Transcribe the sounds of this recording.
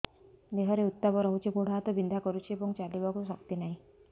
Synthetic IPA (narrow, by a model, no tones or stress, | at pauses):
d̪eɦɔɾeut̪ːabɔɾɔɦut͡ʃipoɽ̤at̪ɔbind̪ʱakɔɾut͡ʃʰiebɔŋt͡ʃalibakusɔkt̪inaɦĩ